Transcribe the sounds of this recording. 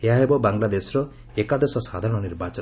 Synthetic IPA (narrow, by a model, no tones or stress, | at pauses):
eɦaɦebɔbaŋlad̪esɾɔ | ekad̪esɔsad̪ʱaɾɔ̃ɽ̃ɔniɾbat͡ʃɔ